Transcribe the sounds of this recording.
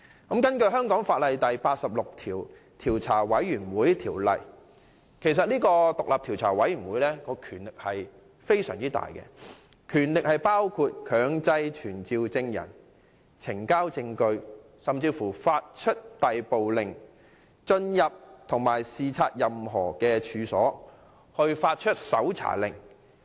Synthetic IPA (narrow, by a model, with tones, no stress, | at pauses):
kɐ˨˥mkɐ˥nkɵ˧ɥɦœː˥ŋkɔː˨˥ŋfaː˧t̚lɐ˨jt̪ɐ˨jpaː˧t̚sɐ˨p̚lʊ˨k̚t̪ʰiː˨˩w | t̪ʰiː˨˩wt͡sʰaː˨˩wɐ˨˥jːyː˨˩nwuː˨˥jt̪ʰiː˨˩wlɐ̰˨˩j | kʰe˨˩js̬ɐ˨t̚niː˥kɔː˧t̪ʊ˨k̚laː˨p̚t̪ʰi˨˩wt͡sʰaː˨˩wɐ˨˥jy˨˩nwuː˨˥jlɛː˥kɔː˧kʰyː˨˩nlɪ˨k̚hɐ˨j | fe˥jsœː˨˩ŋt͡siː˥t̪a̰ː˨jkɛ̰˧ | kʰyː˨˩nlɪ˨k̚hɐ˨jpaː˥wkʰu˧t̚kʰœː˨˧˥ŋt͡sɐ˧jt͡ʃʰyː˨˩nt͡siː˧wt͡sɪ˧ŋjɐ̰˨˩n | t͡sʰɪ˨˩ŋkaː˥wt͡sɪ˧ŋkɵ˧ɥ | sɐ˨mt͡siː˧fuː˨˩faː˧t̚t͡ʃʰɵ˥t̚t̪ɐ˨jpo˨wlɪ˨ŋ | t͡ʃɵ˧njɐ˨p̚t̪ʰʊ˨˩ŋmaː˨˩jsiː˨t͡sʰaː˧t̚jɐ˨mɦɔː˨˩kɛː˧t͡ʃʰyː˨˧sɔː˨˥ | hɵ˧ɥfaː˧t̚t͡ʃʰɵ˥t̚sɐ˨˥wt͡sʰa̰ː˨˩lɪ̰˨˩ŋ